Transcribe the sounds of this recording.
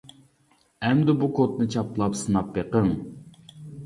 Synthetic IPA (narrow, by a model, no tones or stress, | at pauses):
ɛmd̪ɪbukʰot̪̚nɨt͡ʃʰɑplˠɑpsɨnɑpbeqəŋ